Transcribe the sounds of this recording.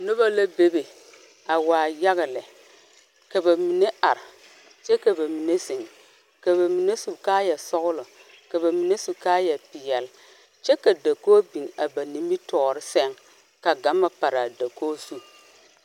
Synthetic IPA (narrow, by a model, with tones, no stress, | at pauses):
nʊ˦ba˦la˦be˦be˨ | a˨waː˨ja˦ɣa˨lɪ˨ | ka˨ba˨mi˨ne˦a˨ɾɪ˨ | t͡ʃɛ˦ka˨ba˨mi˨ne˦sɪ˨ŋ | ka˨βa˨mi˨ne˦su˨kaː˦jɛ˨sɔ˦ɣʊ˦lʊ˨ | ka˨ba˨mi˨ne˦su˨kaː˦jɛ˨pɪ˨jɛ˨l | t͡ʃɛ˦ka˨da˨koː˦bi˨ŋa˨ba˨ni˨mi˦tɔː˨ɾɪ˦sɛ˦ŋ | ka˨ɡa˨˦mːa˨pa˨ɾa˨da˨koː˦su˦